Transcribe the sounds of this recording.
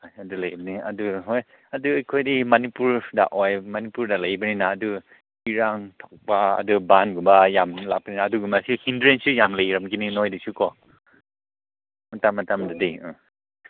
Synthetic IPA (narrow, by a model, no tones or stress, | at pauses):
ajɐdulɐjbaniɐdɯɦɔj | ɐdɯɐjkʰɔjdimanipuɾda̰ʔɔjmanipuɾdalajbaninaːdu | iɾaŋtʰɔk̚baɐ̰dɯbanɡumbajamla̰k̚baninaːduɡumasihindɾensijamləjɾamkininɔjdisukɔ | matamːatamdadijɯ